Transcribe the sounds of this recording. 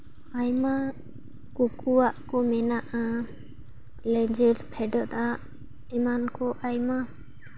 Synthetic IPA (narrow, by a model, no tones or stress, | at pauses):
ajma | kukʰuwaʔkɔmɛnaʔa | lɛd͡ʒɛɾpʰɛɖɔʔd̪aʔ | ɛmankʰɔʔajma